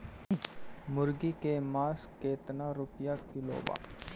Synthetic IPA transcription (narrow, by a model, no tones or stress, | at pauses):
mʊɾɡikemaːskeːt̪naɾʊpjakɪlo̰ːʋa̰ː